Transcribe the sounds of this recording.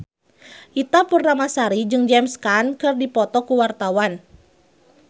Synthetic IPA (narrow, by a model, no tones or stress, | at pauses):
ʔit̪apurnamasaɾid͡ʒɨŋd͡ʒɛmskankɨrdipɔt̪ɔkuwart̪awan